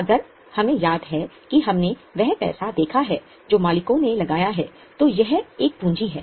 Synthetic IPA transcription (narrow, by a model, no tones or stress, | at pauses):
ɐɡəɾ | hɐmẽjaːd̪ɦɛkiɦɐmneʋɛɦpɛ̰ːsad̪eːkʰaɦɛː | d͡ʒoːmaːlɪkõnelɐɡaːjaɦɛː | t̪ojɐɦeːk̚pũːɲd͡ʒiɦɛː